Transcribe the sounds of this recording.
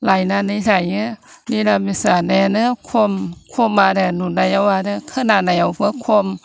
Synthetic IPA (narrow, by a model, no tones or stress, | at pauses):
lajnanisajŋɯnilamisanɛnɯkʰomkʰomːadɛnunːajawaːdɛkʰananajawpʰɯkʰom